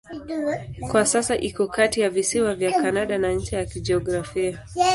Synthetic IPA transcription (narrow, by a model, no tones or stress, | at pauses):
kwasasaʔikɔkatijavisiwavjakanaɗanaɲ̩t͡ʃɛjakid͡ʒɛɔɡɾafia